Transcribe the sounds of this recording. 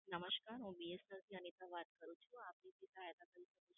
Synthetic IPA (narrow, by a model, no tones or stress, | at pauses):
nəməʃkaɾɦũbiesəɾt̪ʰiənit̪aʋat̪kəɾũt͡ʃʰũapnisit̪ajd̪akəɾiʃəkut͡ʃʰu